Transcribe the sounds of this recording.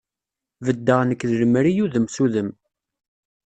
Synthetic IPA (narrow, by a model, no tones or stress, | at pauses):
vəd̪ːəʁnəkːðləmɾijuðəmsuðəm